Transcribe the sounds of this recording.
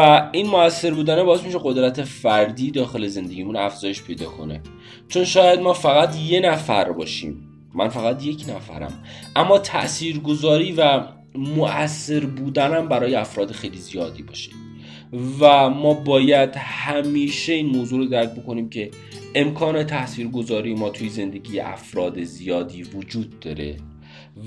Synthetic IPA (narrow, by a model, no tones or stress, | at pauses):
æinmoæsːe̞ɾbuːd̪ænebɒːesmiʃe̞ɢo̞d̪ɾæt̪ʰe̞fæɾd̪iːd̪ɒːxe̞le̞ze̞nd̪eɟiːmunæfz̥ɒːje̞ʃpʰe̞jd̪ɒ̰ːkʰo̞̰ne | t͡ʃʰo̞nʃɒːjæd̪̚mɒːfæɣæt̪je̞næfæ̰ɾbɒ̰ːʃḭːmː | æ̰nfæɣæt̪je̞cʰnæfæ̰ɾæ̰mʔæmːɒːt̪ʰæ̰ʔsiːɾɡo̞zɒːɾiːvæ | moʔæsːe̞ɾbuːd̪ænæmbæɾɒːjeæfɾɒːd̪exejlizijɒːd̪iːbɒ̰ːʃe̥ | væmɒːbɒːjæd̪hæmiːʃe̞iːnmoːzuːɾod̪æɾk̚bo̞ko̞niːmcʰe̞ | ʔemkʰɒːne̞t̪ʰæʔsiːɾɡo̞zɒːɾiːjemɒːt̪ʰujeze̞nd̪e̞ɟiːjḛʔæ̰fɾɒːd̪ezijɒːd̪iːvod͡ʒuːd̪̚ːɒːɾe̞̰